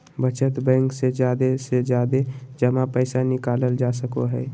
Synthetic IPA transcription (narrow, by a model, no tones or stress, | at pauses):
bət͡ʃət̪bɛ̃ːŋksed͡ʒjaːd̪esed͡ʒjaːd̪ed͡ʒəmãpəɪsanɪkaːləld͡ʒaːsəkoɦɛː